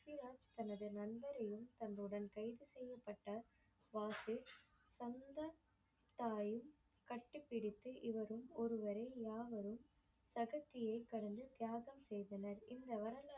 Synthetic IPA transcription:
iɾaːd͡ʒt̪ɐnɐðɯnɐnbɐɾɐjɯmt̪ɐnrɯɽɐnkɐɪðɯsɛjːɐpːɐʈːɐ | ʋaːsɪ | sɐnd̪ɐ | t̪ːaːjɯm | kɐʈːɯpːɪɽɪt̪ːɯʔɪʋɐɾɯmɔɾɯʋɐɾɐɪjaːʋɐɾɯm | sɐɣɐt̪ːɪjɐɪkːɐɽɐnd̪ɯt̪jaːɣɐmsɛjðɐnɐɾɪnd̪ɐʋɐɾɐla

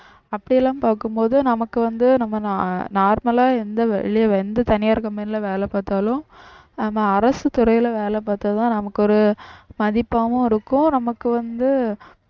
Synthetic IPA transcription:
ɐpːɐɽɪjɛlãːmpaːkɯmpoːðɯnɐmɐkːɯʋɐnd̪ɯnɐmːɐnaːɾmɐlaːɛnd̪ɐʋ̰ɭɪjɐɛnd̪ɐt̪ɐnɪjaːɾkːɐmɐnɪlɐʋeːlɛpaːt̪aːlʊ̃ | aːmaːɐɾɐsɯt̪ʊɾɐjɪlɐʋeːlɛpaːɾt̪at̪ãːnɐmɐkːɯɔɾɯmɐðɪpːaːʋɯ̃ɪɾɯkːʊ̃nɐmɐkːɯʋɐnd̪ɯ

